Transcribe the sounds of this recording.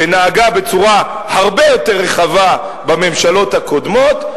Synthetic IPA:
enaːɡabe̞t͡suʁa | haʁbe̞jo̞t̪eʁːeχava | bame̞mʃalo̞t̪hako̞d̪mo̞t̪

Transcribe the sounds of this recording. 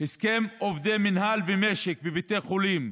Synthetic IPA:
hiskemovd̪eminhalvemeʃekbebit̪eχulim

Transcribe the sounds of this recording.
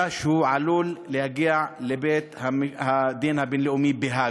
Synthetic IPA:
aʃehuʕalulːehaɡiaʕlebet̪hamhad̪inhabenleumibeɦa

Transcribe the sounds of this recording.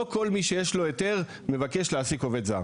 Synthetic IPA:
oko̞lmiʃejeʃlo̞et̪e̞ʁ | me̞vake̞ʃleasiko̞ve̞d̪za̰

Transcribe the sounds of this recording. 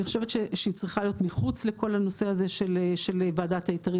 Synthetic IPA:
iχoʃe̞vet̪ʃeʃeit͡sʁiχalijo̞tmiχut͡slekʰo̞lano̞se̞aze̞ʃelʃelevaːdataitaʁi

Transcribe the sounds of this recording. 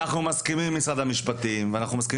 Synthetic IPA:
aχnumaskimimːit͡sad̪hamiʃpat̪imveanaχnumaski

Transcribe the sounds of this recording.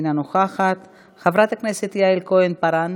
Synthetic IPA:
nanoχaχat̪ | χavɾat̪akneset̪ijaelkoenpaɾan

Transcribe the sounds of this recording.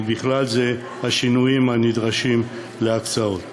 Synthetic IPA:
biχlalze | haʃinujimhanid̪ʁaʃim | leakt͡saot̪

